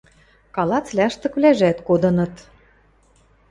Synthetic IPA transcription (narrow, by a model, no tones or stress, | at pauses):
kɑlɑt͡slʲæʃt̪ɤ̆kβlæʒæt̪kod̪ɤ̆nɤ̆t̪